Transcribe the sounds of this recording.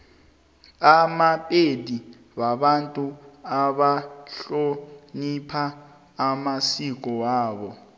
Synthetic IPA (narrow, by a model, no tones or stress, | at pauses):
amapʼedi | ɓaɓantʼuaɓaɬonipʰaː | masik̬ɔwaːɓɔ